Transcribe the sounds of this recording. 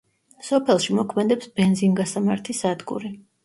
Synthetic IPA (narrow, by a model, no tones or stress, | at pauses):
sɔpʰɛlˠʃimɔkʰmɛd̪ɛpsbɛnd̪zinɡasamaɾt̪ʰisad̪ɡṵɾi